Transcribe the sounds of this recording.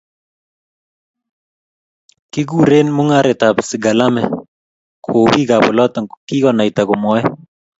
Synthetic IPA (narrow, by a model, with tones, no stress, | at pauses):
ki˦ɡu˦˨ɾe˦nmʊ˦ŋaɾɪ˨ta˨psɪ˨ɡa˨la˦mɛ | kʰo˨bi˦ka˨bɔ˨lɔ˦tɔ˨ŋki˦kɔ˦na˨itakɔ˨mɔ˦ɛ